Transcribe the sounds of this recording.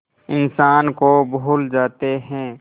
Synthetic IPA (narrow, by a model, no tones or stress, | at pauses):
ɪnsaːnkobʱuːld͡ʒaːt̪eɦɛ̃ː